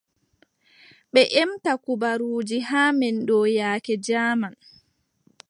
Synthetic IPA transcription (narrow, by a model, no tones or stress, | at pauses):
ɓɛʔɛmtakubaɾuːd͡ʒihaːmɛnɗɔːjaːkɛd͡ʒaːman